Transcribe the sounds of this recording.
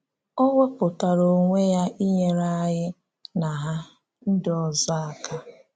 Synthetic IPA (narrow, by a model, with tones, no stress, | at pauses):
ɔ˦ŋʷe˦pʊ˨ta˨ɾo˨ŋʷe˦ja˦ʔi˦ɲe˦ɾa˦ɦɪ˦ | na˨ɦa˦ | n̩˦dɔ˨za˦a˨kʰa˦